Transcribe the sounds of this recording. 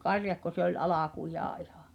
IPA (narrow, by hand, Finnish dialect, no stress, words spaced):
kɑrjɑkːo se olʲ ɑlɑkujɑː ihɑ̥ˑ